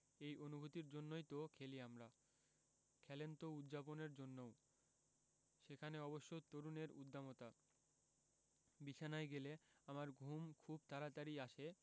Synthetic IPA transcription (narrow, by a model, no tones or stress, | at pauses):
ejonubʱut̪iɾd͡ʑonːojt̪okʰeliamɾa | kʰɛlent̪oud̪d͡ʑaponeɾd͡ʑonːow | ʃekʰaneɔboʃːot̪oɾuneɾud̪ʱːamot̪a | bit͡ɕʰanajɡeleamaɾɡʱumkʰub̚t̪aɾat̪aɾiaʃe